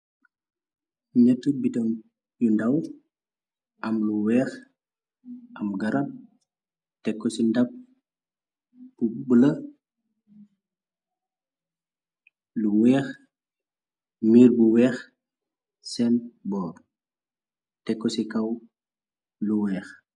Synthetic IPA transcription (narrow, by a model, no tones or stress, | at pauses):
ɲɐtːubitɔm | jundɐw | ʔɐmluwɛːx | ʔɐmɡɐɾɐm | tɛkːɔsindɐp̚ | bubəlɐ | luwɛːx | miːrbuwɛːx | sɛnbɔːr | tɛkːɔsikɐw | luwɛːx